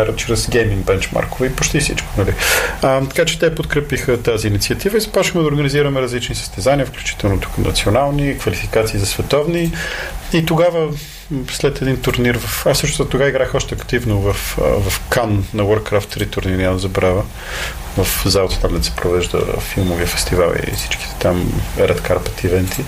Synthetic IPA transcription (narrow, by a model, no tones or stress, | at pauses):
aɾət͡ʃɾɛzɡɛmiŋbɛnt͡ʃma̰ɾkovɛipot͡ʃt̪ifsḭt͡ʃko̥nɐlit̪ɐ̥kat͡ʃɛ̥t̪ɛpot̪kɾɛpixət̪aziːnit̪siət̪ivəizɐpɔt͡ʃixmɛd̪ɐoɾɡəniziɾəmɛɾɐzlit͡ʃnisə̥st̪ɛzaniəfklʲu̥t͡ʃi̥t̪ɛlˠnot̪u̥kənɐ̰t̪sionalˠnikvɐlifikat̪siːzɐsvɛt̪ɔvni | it̪oɡavə | slɛt̪ɛd̪int̪ʊɾniɾvəfsɤʃt̪ost̪t̪oɡaiɡɾaxɔʃt̪ɛɐkt̪ivnovɐfvɐfkannɐwəɾkɾaft̪ɾit̪uɾniɾinamd̪zɐbɾavə | vɐfzalˠɐt̪ə̥t̪amlnsɛ̥pɾovɛʒd̪ə̰filˠmovifɛ̥st̪iva̰lḭsi̥t͡ʃki̥t̪ɛ̥t̪amɛ̰ɾʔɛt̪kʰaɾpə̥t̪ivɛnt̪ʰi